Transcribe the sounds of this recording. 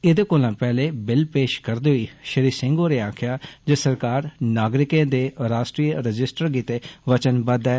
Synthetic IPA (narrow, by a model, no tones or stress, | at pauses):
ɪd̪eːkoːlãːpɛːleːbɪlpeːʃkəɾd̪iːɦʊiːʃəɾiːsɪ̃ŋɡoːɾeːaːkʰjaːd͡ʒəsəɾkaːɾnaːɡɾɪkẽːd̪eːɾaːsʈɾiːɾəd͡ʒɪsʈəɾɡiːt̪eːʋət͡ʃənbəd̪ɛː